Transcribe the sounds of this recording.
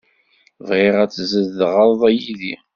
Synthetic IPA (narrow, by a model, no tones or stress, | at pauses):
viʁæt͡sːzəðʁəɾˤðˤæjiði